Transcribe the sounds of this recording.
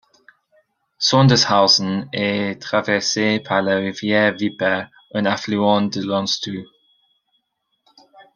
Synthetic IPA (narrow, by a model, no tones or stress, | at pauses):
sɔ̃ndəshaʊsənɛtʁ̥avɛseːpʰaləʁivjɛːvipɛ | ʔə̃naflyɑ̃ndəlɔ̃nstu